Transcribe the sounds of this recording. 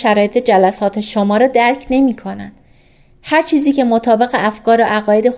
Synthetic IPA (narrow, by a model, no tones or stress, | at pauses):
ʃæɾɒːje̞t̪ʰe̞d͡ʒælæsɒːt̪ʰe̞ʃomɒːɾɒːd̪æɾcʰne̞miːkʰo̞næ̰nd̪̥ | hæɾt͡ʃʰiːziːcʰe̞mot̪ʰɒːbe̞ɣe̞ʔæfkɒːɾoʔæɣɒːje̞d̪e̞